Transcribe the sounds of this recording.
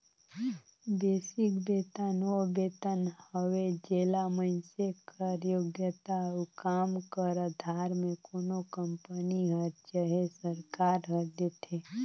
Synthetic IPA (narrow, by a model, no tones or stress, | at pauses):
beːsɪkbeːt̪ənobet̪ənhəʋed͡ʒeːlaməɪnsekəɾjoɡjət̪aukaːmkəɾəd̪ʱaːɾmẽkoːnokəmpəniɦəɾt͡ʃəɦesəɾkaːɾɦəɾd̪et̪ʰe